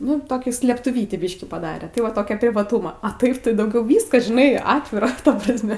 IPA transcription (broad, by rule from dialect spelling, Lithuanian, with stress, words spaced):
ˈnʊ toːˈkʲuː sʲlʲeːptʊˈʋʲiːtʲiː ˈbʲiːʃʲkʲɪ pɐˈdɑːrʲɛ tɐɪ ˈʋɐ ˈtoːkʲɛ pʲrʲɪʋɐˈtuːmɐ ɐ ˈtɐɪp tɐɪ dɐʊˈɡʲɛʊ ˈʋʲiːskɐs ʒʲɪˈnɐɪ ˈɑːtʲʋʲɪrɐ tɐ prɐsʲˈmʲɛ